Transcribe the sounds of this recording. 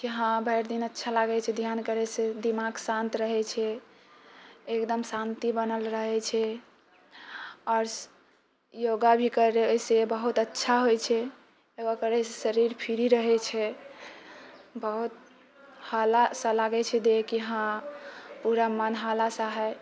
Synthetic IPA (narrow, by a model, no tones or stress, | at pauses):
kiɦãbʱəjɾd̪inətːʃʰalaɡɛt͡ʃʰɛd̪ʱjankəɾɛsed̪imaɡsãnt̪ɾəɦɛt͡ʃʰɛ | ekd̪əmsant̪ibənəlɾəɦɛt͡ʃʰɛ | ɔɾs | joɡabʱikəɾesebəɦut̪ətːʃʰaɦojt͡ʃʰɛ | eɡakəɾɛsesəɾiɾpʰiɾiɾəɦɛt͡ʃʰɛ | bəɦut̪̚ | halasalaɡɛt͡ʃʰɛd̪ekiɦã | puɾamənɦalasaɦɛ